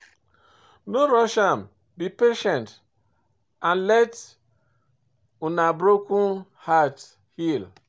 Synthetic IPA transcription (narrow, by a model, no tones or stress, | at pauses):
noɾɔʃam̩ | bipeʃɛnt | ãnlɛt | unabɾokun | hat | hil